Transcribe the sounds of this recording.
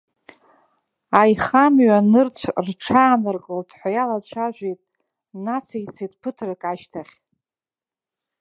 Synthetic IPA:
ajχamɥanɨrt͡sʷʰrʈ͡ʂʰaːnɨrqʼoltʰʼħʷajalat͡ɕʷʰaʒᶣʷejtʼ | nat͡sʰajt͡sʰejt̚ʼpʰɨtʰrakʼaʃtʰaχʲ

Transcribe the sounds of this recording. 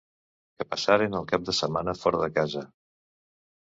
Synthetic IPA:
kəpəsaɾenəlˠkap̚d̪əsəmanəfɔɾəðəkazə

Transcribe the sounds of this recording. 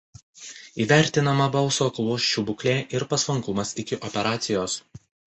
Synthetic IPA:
iːʋʲæˑɾʲt̪ʲɪnɐmɐbɐlˠsoːklˠuɔʃʲt͡ʃʲubʊklʲeːʔɪɾpɐsʋˠɐŋkʊmɐsɪkʲɪʔɔpʲɛɾɑːt̪sʲɪjoːs

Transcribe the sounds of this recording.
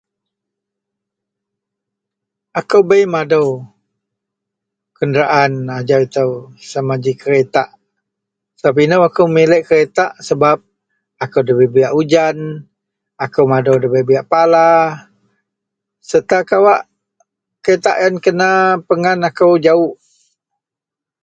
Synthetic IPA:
akəwbəjmadəw | kəndɾaʔanad͡ʒawit̪əwsamad͡ʒikəɾet̪aʔ | səbap̬inəwakəwmilɛʔkəɾet̪aʔsəbap̚ | akəwdəbəbiaʔud͡ʒan | akəwmadəwdəbəjbiaʔpala | sət̪akawaʔ | kəɾet̪aʔjankənapəŋanakəwd͡ʒaʊʔ

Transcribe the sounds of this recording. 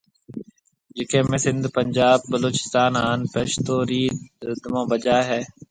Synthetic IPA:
d͡ʒɪkẽːmẽːsɪ̃nd̪pəɲd͡ʒaːb̚ːəloːt͡ʃɪ̥st̪aːnaːnpeːʃt̪oːɾiːd̪əmãːbəd͡ʒaːɦɛː

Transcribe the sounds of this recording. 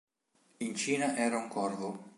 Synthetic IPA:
int͡ʃiːnaʔɛːɾauŋkɔrvʊ

